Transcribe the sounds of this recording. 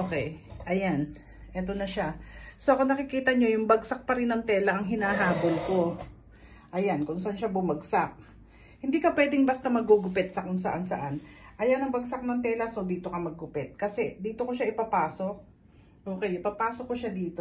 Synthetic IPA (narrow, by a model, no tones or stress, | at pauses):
ʔoːkɛjʔɐjan | ʔɛːt̪o̞nɐʃaso̞ʔɐkonɐkɪkiːt̪ɐɲo̞jʊŋbɐɡsak̚pɐɾɪnɐŋt̪ɛːlɐʔɐŋɦɪnaːɦaːbolko̞ | ʔɐjankʊŋsɐʔanʃabʊmɐɡsak̚ | hɪnd̪iːkɐpwɛːd̪ɪŋbɐst̪ɐmɐɡoɡʊpɛt̪̚sɐkʊŋsɐʔansɐ̰ʔanʔɐjanɐŋbɐɡsak̚nɐŋt̪ɛːlɐso̞d̪iːt̪o̞kɐmɐɡːʊpɛt̪̚kɐsɛd̪iːt̪o̞ko̞ʃaʔɪpapaːso̞k̚ | ʔo̞ːkɛjɪpapaːsok̚ːoʃad̪iːt̪o